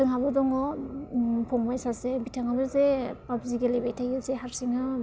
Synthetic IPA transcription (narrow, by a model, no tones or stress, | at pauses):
tɯŋɦabɔdɔŋɔ | pʰɔŋbajsasebitʰaŋabɯzepapziɡelebajtʰajɯzeɦaɾsiŋɯ